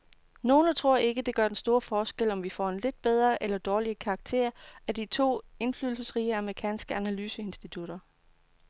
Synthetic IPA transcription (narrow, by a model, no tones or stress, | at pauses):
no̝ːnət͡sʰʁo̝ɐ̰e̝ɡ̥əd̥e̝ɡ̥ɶɐd̥ensd̥o̝ːɐfɒːsɡ̥el̰ɒ̽mʋifɒ̰ːe̝nle̝d̥̚b̥eð̞ˠʁɐʔelɐd̥ɒːliəkʰɑ̈ːɡ̥̚t͡sʰe̝̰ɐæd̥it͡sʰo̝̰ːe̝nflyːðˠl̩səsʁiːəɑməʁikʰɛ̰ːnsɡ̥əʔænælyːsəe̝nsd̥it͡sʰuɾ̥ɐ